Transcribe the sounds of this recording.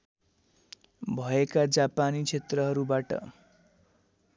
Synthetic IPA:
bʱʌekad͡zapanit͡sʰet̪rʌɦʌɾubaʈʌ̰

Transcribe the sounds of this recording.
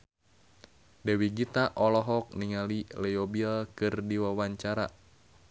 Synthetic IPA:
dɛwiɡit̪aʔɔlɔɦɔk̚niŋalilɛjobilkɨrdiwawaɲt͡ʃaɾa̰

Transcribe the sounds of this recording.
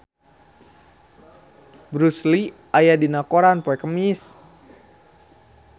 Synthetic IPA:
bɾusliʔajadinakoɾanpɔɛkəmis

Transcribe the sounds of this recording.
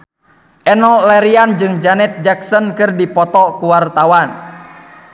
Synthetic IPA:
ʔɛnɔlɛɾiand͡ʒɨŋd͡ʒanɛt̪̚d͡ʒaksənkɨrdipɔt̪ɔkuwart̪awan

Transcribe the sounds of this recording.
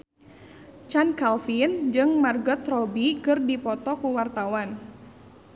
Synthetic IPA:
t͡ʃankalfind͡ʒɨŋmarɡɔt̪rɔbikɨrdipɔt̪ɔkuwart̪awan

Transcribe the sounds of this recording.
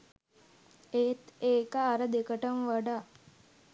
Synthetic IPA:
et̪eːkəːɾəd̪ekəʈəmʋaɖa

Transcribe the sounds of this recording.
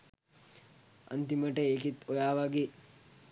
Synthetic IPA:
a̰nt̪iməʈəeːkit̪ojaːʋaɡeː

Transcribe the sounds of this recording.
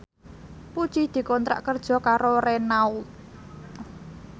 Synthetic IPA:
put͡ʃid̪̥i̤kɔnt̪ɾa̰ʔkərd̥ʒ̥ɔ̤kaɾorenau

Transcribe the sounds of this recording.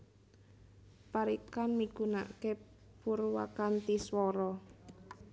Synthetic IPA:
paɾikanmiɡ̥una̰ke | puɾwa̰kant̪iswɔɾɔ

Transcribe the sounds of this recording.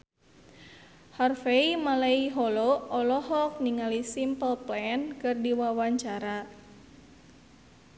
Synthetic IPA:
harfeimalaiɦɔlɔɔlɔɦɔk̚niŋalisimpəlplɛnkɨrdiwawaɲt͡ʃaɾa

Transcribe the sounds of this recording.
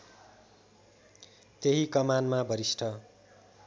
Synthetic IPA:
t̪eɦikʌmanmabʌɾisʈʰʌ

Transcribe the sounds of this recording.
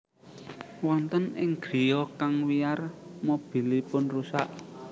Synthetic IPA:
wɔnt̪ənɪŋɡ̥ɾijɔkaŋwiarmob̥i̤lipʊnrusa̰ʔ

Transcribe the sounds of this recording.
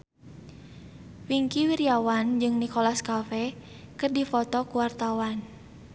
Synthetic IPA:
wiŋkiwiɾiawand͡ʒɨŋnikɔlaskafɛ | kɨrdifɔt̪ɔkuwart̪awan

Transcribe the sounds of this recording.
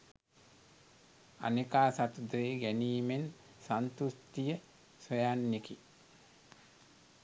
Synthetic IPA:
a̰nikaːsat̪ud̪ɾeːɡæniːmen | sant̪ust̪ijə | sojanːiki

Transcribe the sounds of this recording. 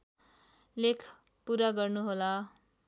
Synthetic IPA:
lekʰ | puɾaɡʌrnuɦola

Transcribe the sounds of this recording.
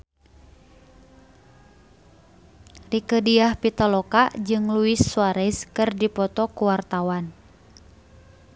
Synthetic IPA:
rikədiahpit̪ɔlɔkad͡ʒɨŋluisːuaɾɛskɨrdipɔt̪ɔkuwart̪awan

